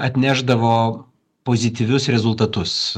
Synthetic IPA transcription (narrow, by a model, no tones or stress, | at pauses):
ɐt̪ʲnʲæːʒd̪ɐʋoː | poːzʲɪt̪ʲiʋʲʊsɾʲɛzʊlˠt̪ɐt̪ʊs